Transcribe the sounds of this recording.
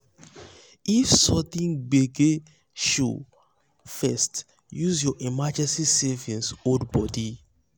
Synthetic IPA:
ifsɔt̪ĩnbeɡe | ʃṵ | fɛst | juzjɔʔimad͡ʒɛ̃nsisɛvĩnsodbɔdi

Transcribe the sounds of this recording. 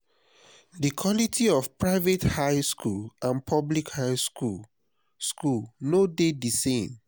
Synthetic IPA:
dikʰwɔlitʰiɔfpɹaɪvethaɪskʰulãnpʰɔblikhaɪsku | skulnodedisẽm

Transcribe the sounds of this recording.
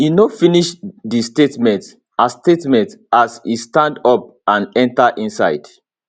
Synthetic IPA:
jinofiniʃdistetmɛ̃nt | astetmɛ̃ntasistãndɔp̚ | ãnɛ̃ntəʔĩnsaɪd̥

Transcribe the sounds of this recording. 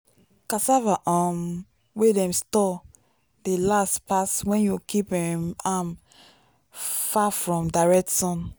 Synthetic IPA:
kasavaʔam | wedɛ̃mstɔ | delastpaswɛ̃njukʰipɛmam | fafɹɔ̃mdaɹɛk̚tsɔ̃n

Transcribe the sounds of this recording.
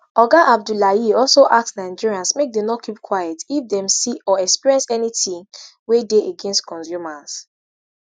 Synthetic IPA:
ɔɡaʔab̚dulajiɔlsoʔak̚tsnaɪd͡ʒiɹiãnsmek̚dɛ̃mnɔtkʰip̚kʰwajɛtifdɛ̃msiɔɛkspiɹɛ̃nsɛniθĩŋwedeeɡɛ̃nstkʰɔ̃nsjumas

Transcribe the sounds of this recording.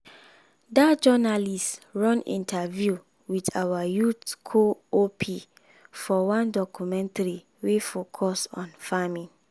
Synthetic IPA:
dad͡ʒɔnalistɹɔ̃nḭ̃ntʰavju | widawajutkʰoopʰi | fɔwãndɔkʰumɛ̃ntaɾi | wefokʰɔsɔ̰̃nfamĩn

